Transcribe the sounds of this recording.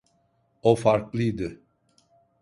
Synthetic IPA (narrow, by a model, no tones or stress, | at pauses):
ofaɾklˠɯjd̪ɯ